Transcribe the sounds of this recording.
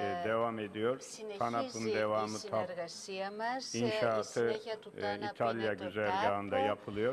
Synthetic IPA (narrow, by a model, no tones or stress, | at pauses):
d̪e̞vame̞d̪ijo̞ɾ | t̪ʰanapʰɯnd̪evaːmɯt̪ʰap | inʃaːt̪ʰɯ | it̪ʰalʲjaɟyzæɾɡaːɯnd̪ajapʰɯlˠɯjo̞ɾ